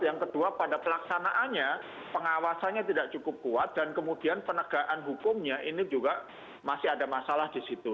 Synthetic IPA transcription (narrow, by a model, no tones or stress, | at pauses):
jaŋkəduapadapəlaksanaʔanɲa | pəŋawasanɲat̪idaʔt͡ʃukʊp̚kuat̪̚d̥ankəmudianpənəɡ̥aʔanɦukʊmɲaʔinid͡ʒuɡa | masɪɦadamasalahdisit̪u